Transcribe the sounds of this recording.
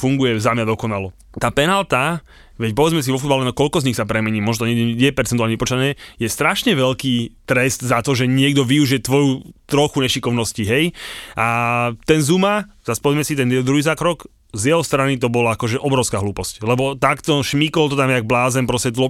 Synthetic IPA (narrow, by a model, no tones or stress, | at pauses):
fuŋɡujɛzamɪad̪ɔkɔnalɔ | t̪aːpɛnalt̪a | ʋɛc̚pɔʋɛd͡zmɛs̬iʋɔfud̪balɛnɔkɔʎkɔzɲixsapɾɛmɛɲiːmɔʒnɔt̪ɔɲɛɡ̪ɛd̪ɛpɛɾt͡sɛnt̪uaɲɛipɔt͡ʃanɛːjɛst̪ɾaʃɲɛʋɛʎkiːt̪ɾɛst̪zat̪ɔʒɛɲɪɛɡd̪ɔʋiuʒiɛt̪ʋɔjut̪ɾɔxuɲɛʃikɔʋnɔsciɦɛjʔat̪ɛnzumaaspɔʋɛd͡zmɛsit̪ɛnd̪ɾuɦiːzaːkɾɔk | zjɛɦɔst̪ɾanit̪̬ɔbɔlaakɔʒɛʔɔbɾɔʊskaːɦluːpɔsclɛbɔt̪akt̪ɔʃmikɔlt̪ɔt̪amjaɡ̚blaːzɛmpɾɔscɛt̪lɔ